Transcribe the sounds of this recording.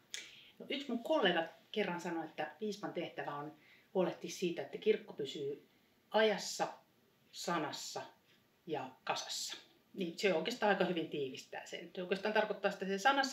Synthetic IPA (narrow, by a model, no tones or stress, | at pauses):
noʔyksmuŋkkolːeːɡɑkerːɑnsɑnoet̪ːæʋiːspɑnt̪eht̪æʋæon | huoleht̪issiːt̪æet̪ːækirkːopysyː | ɑjɑsːɑ | sɑnɑsːɑ | jɑkɑsɑ̥sːɑ̥ | niseoˑikest̪ɑːɑikɑhyʋint̪iːʋist̪æ̰ːsḛnoˑikest̪ɑːnt̪ɑrkot̪ːɑːsi̥t̪ːˑæsesɑnɑs